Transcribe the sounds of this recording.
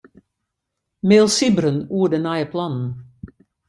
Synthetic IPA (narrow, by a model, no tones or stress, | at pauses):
meːlˠsibɾənuədənajəpʰlɑnn̩